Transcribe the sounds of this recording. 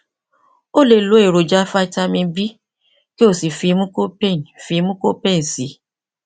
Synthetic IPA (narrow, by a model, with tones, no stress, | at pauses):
o˦le˨lo˨˦e˦˨ɾo˨d͡ʒa˦fa˦i˦ta˦mĩ˧bi˦ | ke˦o˨si˨fi˨˧˦mũ˦ko˦pe˦˨n˨fi˧˦mũ˦ko˦pe˦n̩˨si˨˦